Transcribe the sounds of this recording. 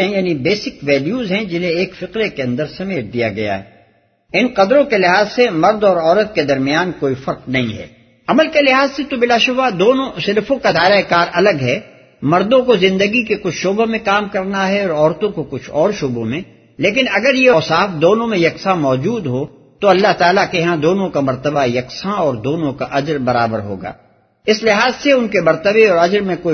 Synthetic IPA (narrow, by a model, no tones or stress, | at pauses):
ɛ̃jaːnibeːsɪkʋɛːljuːzɦɛ̃d͡ʒɪnɦẽeːkfɪqɾekeɐ̃nd̪əɾsɐmeːʈ̚d̪ija̰ɡɐ̰ja̰ɦɛ̰ | ɪnqɐd̪ɾõkelɪɦaːzsemɐɾd̪ɔːɾɔːɾət̪̚ked̪ɐɾmɪjaːnkoːifɐɾqnɐɦḭ̃ɦɛ̰ː | ɐməlkelɪɦaːzset̪obɪlaːʃʊbad̪oːnõsɪlfõkad̪aːɪɾaekaːɾʔɐləɡɦɛː | mɐɾd̪õkozɪ̃nd̪əɡikekʊt͡ʃʰʃoːbəmẽkaːmkɐɾnaɦɛɔːɾɔːɾt̪õkokʊt͡ʃʰɔːɾʃʊbõmẽ | leːk̬ɪnɐɡəɾjeɔːsaːfd̪oːnõmẽjɐksamɔːd͡ʒuːd̪ɦo | t̪oɐlːaɦt̪aːlakeɦãd̪oːnõkamɐɾt̪əbajɐksãɔːɾd̪oːnõkaʔɐd͡ʒɾbɐɾa̰ːbəɾɦo̰ːɡa̰ː | ɪslɪɦaːzseʊnkemɐɾt̪əbeɔːɾɐd͡ʒɾmẽkoːi